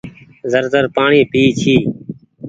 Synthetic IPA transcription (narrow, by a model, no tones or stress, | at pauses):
zəɾzəɾpaːɳĩːpiːt͡ʃʰiː